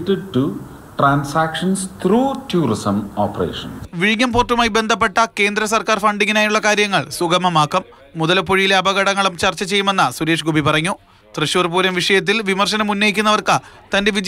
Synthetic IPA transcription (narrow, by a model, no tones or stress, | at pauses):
ʈːɨɖ̚ʈu | ʈraːnsaːkʂɐnst̪ʰruːtuːɾisɐmoːpːrḛːʂɐnsʋiɻiŋːɐmporʈːumaːjibe̞nd̪ʱɐp̬ːe̞ʈːɐke̞ːnd̪ɾɐsɐrkaːrfɐɳɖiŋːinaːjiuɭːɐkaːɾjɐŋːɐɭsuɡɐmɐmaːkːɐmː | uðɐlpoɻijile̞ɐbɐɣɐɽɐŋːɐɭumt͡ɕɐrt͡ɕːɐt͡ɕe̞jːume̞nːɐsuɾe̞ːʂɡubipɐrɐŋːu | t̪rɨɕuːrpuːɾɐmʋiʂɐjɐt̪̬ːilʋimɐrɕɐnɐmunːɐjikʲːunːɐʋɐrkɨt̪ɐnde̞ʋid͡ʑ